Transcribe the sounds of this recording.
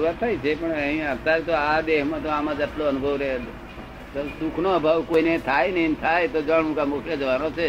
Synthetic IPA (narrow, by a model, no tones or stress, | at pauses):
uɾat̪ʰajt͡ʃʰepəɳəɦĩãət̪aɾt̪oad̪eɦmãt̪oamãd͡ʒəʈloənʊbʱəʋɾee | t̪od̪ukʰnoəbʱaʋkoinet̪ʰajnəĩnt̪ʰajt̪od͡ʒəɳmũkamokʰjəd͡ʒəʋanot͡ʃʰe